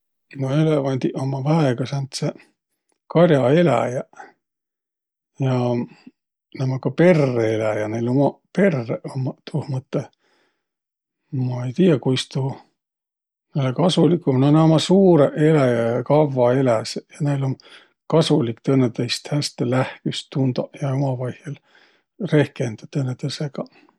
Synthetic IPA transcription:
noe̞levɑnʲd̪̥ʲiʔomːɑvæeɡ̥ɑsɑnt̪se | kɑrʲjɑe̞læ̰jɑ | jɑ | nemɑkɑpe̞rːeelæjɑnejlo̞mɑpe̞rːeʔomːɑt̪ʰuhmɯt̪ːˑe | mɑejt̪iːɑkujst̪u | nelekɑsulikːumnoneomɑsuːɾeʔe̞læjɑkɑvːɑelæsjɑnejlom | kɑsulikt̪ɤnːet̪ejst̪hæst̪elæhkystt̪ːund̪ɑjɑomɑvɑjhjel | re̞hkend̪̥ɑ̥t̪ɤnːet̪eseɡ̥ɑ

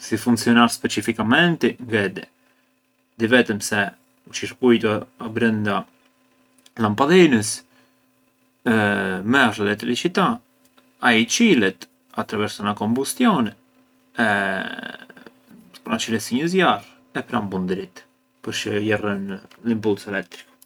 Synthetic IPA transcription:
sifuŋksiɔnaɾspɛt͡ʃifikamɛnt̪iŋɡɛd̪ɛ | d̪ivɛt̪əmsɛ | ut͡ʃiɾkujt̪uabɾɛnd̪a | lampaðɛnəs | mɛaʃəlɛt̪ɾit͡ʃit̪a | ait͡ʃilɛt̪ | at̪ɾavɛɾsanakɔmbust̪jɔnɛ | ɛ | pɾant͡ʃilɛsiɲəzjar | ɛpɾambund̪ɾit̪ | pəɾt͡ʃəjɛrənlimpulsɛlɛk̚t̪ɾi̥k

